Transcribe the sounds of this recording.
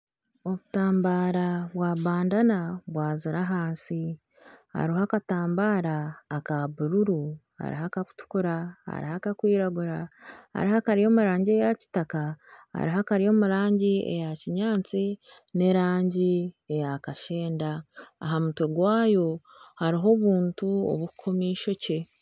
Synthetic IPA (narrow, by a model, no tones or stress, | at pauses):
o̞βutaːmbaːɾaβwaβaːndanaβwaːziɾaɦaːnsi | ha̰ɾiɦakataːmbaːɾaːkaβuɾuɾuha̰ɾḭɦakaku̥tu̥kuɾaha̰ɾihakakwiːɾaɡuɾaha̰ɾiɦakaɾijo̞ːmuɾaːɲɟie̞jaci̥takaha̰ɾiɦakaɾijo̞ːmuɾaːɲɟiḛjaciɲaːt͡si | ne̞ɾaːɲɟie̞jakaʃe̞ːndaːɦamutoɡwaːjo̞ | haɾiɦo̞βuːntuo̰βukkʰo̞miːʃo̞ce̞